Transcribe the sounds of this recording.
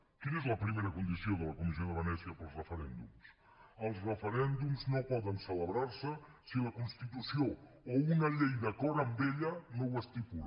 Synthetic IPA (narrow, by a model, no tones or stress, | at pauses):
kinɛzlɐpɾimejɾɐkũnd̪isjoðəlɐkumis̬joðɐβənɛsjɐpɐlˠsrəfəɾɛ̰̃nd̪ṵms | ɐlˠsrəfəɾɛnd̪umznõwpɔðənsələβɾaɾsə | silɐkũnst̪it̪usjo | ounɐʎejðɐkɔɾɐmbeʎɐnõw̃ɐst̪ipul